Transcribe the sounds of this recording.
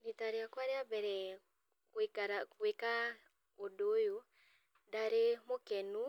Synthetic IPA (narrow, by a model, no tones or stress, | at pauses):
nitaɾjakwaɾjabɛɾɛ | kekaɾakweka | odojo | daɾemokɛnu